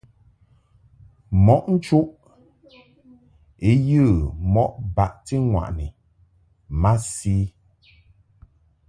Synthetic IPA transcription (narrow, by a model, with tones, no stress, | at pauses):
mɔ˦˨ʔn̩˦t͡ʃu˦ʔ | e˦jɨ˦˨mɔ˦ʔba˨ʔti˦ŋwa̰˨ʔni˨ | ma˦siː˦